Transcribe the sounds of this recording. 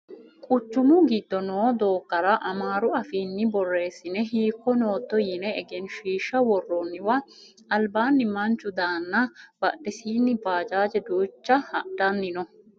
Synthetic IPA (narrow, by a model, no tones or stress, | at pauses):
kʼʊt͡ʃːʊmʊɡɪd̪ːɔnoːd̪o̞ːkːɐɾɐʔɐmaːɾʊɐfiːnːɪbɔrːe̞ːsɪnɛɦiːkːɔnoːt̪ːɔjɪnɛːɡɛnʃiːʃːɐwɔrːɔnːɪwɐ | ɐlbaːnːɪmɐnt͡ʃʊd̪aːnːɐbɐɗɛsiːnːɪbaːd͡ʒaːd͡ʒɛd̪uːt͡ʃːɐhɐdɐnːɪnɔ